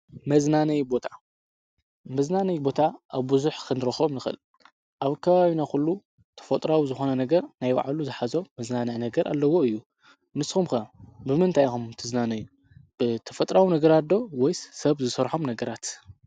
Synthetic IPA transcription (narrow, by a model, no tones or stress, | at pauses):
mɐznanɐjbo̞t̪ʰḁ | mɐznanɐjbo̞t̪ʰaʔaβbɨzuħkʰɨnɨɾɐxomnɨxɨ̰l | ʔaβkʰɐβaβinakulːu | t̪ʰɐ̥fɐt̪ʼɾawizɨxo̞nɐnɐɡɐɾnajwa̰ʕaluzɨħazo̞mɐznanɨʕnɐɡɐɾʔa̰lːɐwo̞ɨjːu | nɨsxumkɐbɨmɨnt̪ʰajxumt̪ʰɨznanɐju | b̥ɨt̪ʰɐ̥fɐt̪ʼɾawinɐɡɐɾad̪o̞wɔjssɐβzɨsɐɾħomnɐɡɐɾat̪